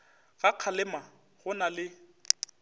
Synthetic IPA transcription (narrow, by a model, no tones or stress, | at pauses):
ɣaq͡χʰalɪma | ɣʊnalɪ